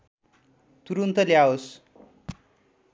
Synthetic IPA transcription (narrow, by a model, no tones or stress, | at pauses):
t̪uɾunt̪əljaos